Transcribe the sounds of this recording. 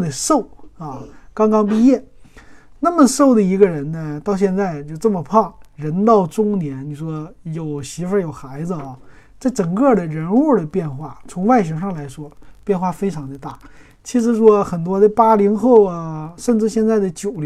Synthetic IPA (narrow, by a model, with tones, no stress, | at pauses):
ə˧ʂo˥˩ʊɐ˥˧kɑ˥ŋkɑ˥ŋpi˥˧jɛ˥˩ | na˥˩mə˩ʂo˥˩ʊd̪ə˩i˧˥ɡə˧ɻə˧˥nnə˧t̪ɑ˥˧ʊɕ̬jɛ˥˧nt͡sa˥˧ɪt͡ɕjo˥˧ʊʈ͡ʂə˥˩mə˩pʰɑ˥˩ŋɻə˧˥nt̪ɑ˥˩ʊʈ͡ʂʊ˥ŋnjɛ˧˥nni˨˩ʂwɔ˥jo˨˩ʊɕi˧˥fə˧˥jo˨˩ʊxa˧˥ɪd͡zɹ̩˧ɐ˩t͡sa˥˩ɪʈ͡ʂɤ˨˩ŋkɤ˥˩d̪ə˩ɻə˧˥nu˥˩d̪ə˩pjɛ˥˧nxwa˥˩t͡sʰʊ˧˥ŋwa˥˩ɪɕɛ˧˥ʂɑ˥˩ŋla˧˥ɪʂwɔ˥pjɛ˥˧nxwa˥˩fe˥ɪʈ͡ʂʰɑ˧˥ŋd̪ə˧t̪a˥˩ | t͡ɕʰi˧˥ʂ̬ɻ̩˧˥ʂwɔ˥xə˨˩nt̪wɔ˥d̪ə˧pa˥li˧˥ŋxo˥˩ʊə˩ʂə˥˧nʈ͡ʂɻ̩˥˧ɕjɛ˥˧nt͡sa˥˩ɪd̪ə˩t͡ɕjo˨˩ʊl